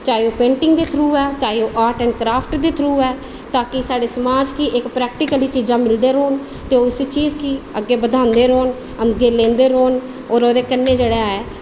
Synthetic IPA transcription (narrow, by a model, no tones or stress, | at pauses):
t͡ʃaːeoːpẽːɳʈɪŋɡd̪eːt̪ʰɾuːɛːt͡ʃaːeoːʔaːɾʈɛ̃ːɳkɾaːpʰʈd̪eːt̪ʰɾuːɛː | t̪aːkɪsaːɖeːsəmaːd͡ʒkiːʔɪkpɾɛːk̚ʈɪkəliːt͡ʃiːzãːmɪld̪eːɾoːn | t̪eːoːɪsiːt͡ʃiːzkiːəɡːeːbəd̪ʱãːnd̪eːɾoːn | əɡeːlẽːnd̪eːɾoːn | oːɾoːd̪eːkənːeːd͡ʒeːɽeaːeː